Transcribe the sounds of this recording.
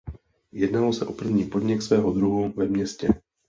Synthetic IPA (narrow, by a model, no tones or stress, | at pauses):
jɛdnalosɛʔo̞pr̩vɲiːpo̞dɲɪksvɛːɦo̞d̪ɾuɦuvɛmɲɛscɛ